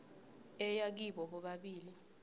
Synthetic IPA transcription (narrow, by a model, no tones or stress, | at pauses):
ɛjak̬iɓɔɓɔɓaɓiːli